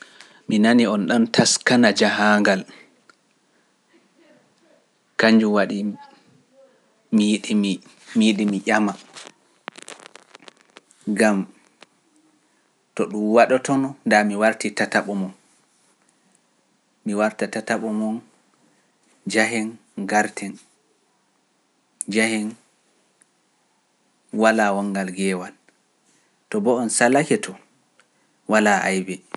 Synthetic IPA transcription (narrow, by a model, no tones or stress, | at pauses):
minaniɔnɗɔntʰaskanad͡ʒaɦaŋɡal | kaɲd͡ʒuwaɗi | mijiɗi | miɗimiʔama | ɡam | tɔɗumwaɗɔtɔnɔndamiwaɾtitataɓɔmɔn | miwaɾtatataɓɔmɔn | d͡ʒaɦɛn | ɡaɾtʰɛn | d͡ʒahɛn | walawɔŋɡalɡɛːwan | tɔbɔɔnsalakɛtʰɔ | walaʔa̰jbɛ